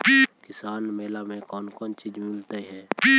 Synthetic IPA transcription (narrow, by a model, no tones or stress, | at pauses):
bikɪsaːnmeːlamẽkɔːnkɔːnt͡ʃid͡ʒmɪlt̪aiɦɛːbi